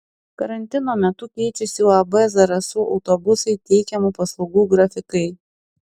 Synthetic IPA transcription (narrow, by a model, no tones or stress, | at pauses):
kɐɾɐnʲt̪ʲɪnoːmʲɛt̪ʊkʲɛɪt͡ʃʲɛsʲɪlˠɐbɐzɐɾɐsʊʔɒʊt̪obʊsɐɪt̪ʲɛɪkʲɛmupɐslˠɐʊɡuːɡɾɐfʲɪkɐɪ